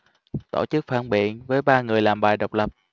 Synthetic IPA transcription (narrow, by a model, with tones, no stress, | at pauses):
t̪o̰˧˩t͡ɕɨ˦˥k̚faː˧˩nɓḭ˧˨ənvəː˨˦jɓaː˧ŋɨ˨˩əjlaː˨˩mɓaː˨˩jɗə˨˩wk͡p̚lə˨˩p̚